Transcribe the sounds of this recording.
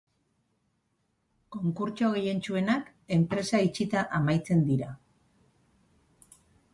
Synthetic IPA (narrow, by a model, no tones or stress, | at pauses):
ko̞ŋkuɾt͡ʃo̞ɣeje̞nt͡ʃue̞nak | e̞mpɾe̞sait͡ʃit̪aʔamajt͡se̞nd̪iɾa